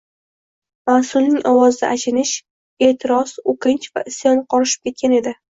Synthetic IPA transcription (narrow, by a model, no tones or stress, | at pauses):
masʊlnɪŋʔɒwɒzd̪a̰ʔat͡ʃʰɪnɪʃ | e̞ːt̪ʰɪɾɒsoqʰɪnt͡ʃva̰ʔɪsjɒnqʰɒɾɪʃɪ̥p̚kʲʰe̞t̪̚kʲane̞d̪ɪ